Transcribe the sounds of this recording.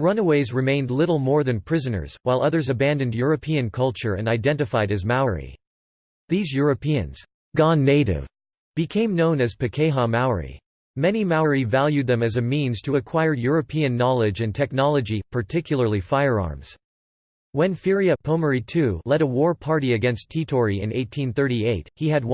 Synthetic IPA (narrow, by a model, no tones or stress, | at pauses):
ɹʌ̃nəweɪzɹɨmẽɪ̃ndˡlɪɾl̩ˠmɔɹðɨ̃npʰɹ̥ɪzɨnə̰˞z̥waɪlˠʌðə˞zɨbæ̃ndɨ̃ndjʊɹɨpʰiɨ̃nkʰʌlˠt͡ʃə˞ɨ̰̃naɪdɛ̃ntɨfaɪɾɨzmaʊə˞ḭ | ðizjʊɹɨpʰiɨ̰̃nz̥ | ɡ̥ɑ̃nːeɪɾɪ̰v̥ | b̥ɨkʰẽɪ̃mnõʊ̃nɨz̥pʰɨkʰeɪɦɑmaʊə̰˞ḭ | mɛnimaʊə˞ivælˠjʉd̪̚ðɨ̃mɨzɨmĩnz̥tʰəːkʰw̥aɪə˞jʊɹɨpʰiɨ̃nːɑlˠɪd͡ʒɨ̃ntʰɛk̚nɑlˠəd͡ʒipʰə˞tʰɪkʰjl̩ˠə˞lˠifaɪə˞ɑ̰ɹmz̥ | wɨ̃nfɪɹiɨpʰõʊmə˞itʰʉlɛɾəwɔɹpʰɑɹɾiɨɡɛ̃nstʰitʰɔɹiɨ̰̃neɪtʰĩnθɜ˞ɾieɪt̚hiɨd̚w